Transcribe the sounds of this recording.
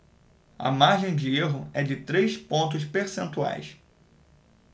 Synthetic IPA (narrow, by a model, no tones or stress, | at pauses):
ɐ̰maɾʒẽj̃d͡ʒɪeɦʊɛd͡ʒɪt̪ɾejspõnt̪̬ʊs̬peɾsẽnt̪ua̰js